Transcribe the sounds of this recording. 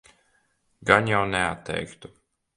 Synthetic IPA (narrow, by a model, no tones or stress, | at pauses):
ɡanjawnɛat̪ʰːɛ̰jkt̪u̥